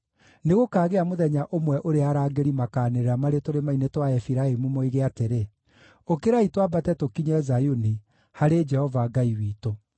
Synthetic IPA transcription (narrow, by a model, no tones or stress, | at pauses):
neɣokaːɣeamoðɛɲaʔomwɛʔoɾeaɾaːɡeɾimakaːneɾeɾamaɾetoɾemainetwaɛfiɾaemumoiɣeateɾe | okeɾaitwabatɛtokiɲɛzajuni | haɾed͡ʒɛhɔvaɡaiwiːto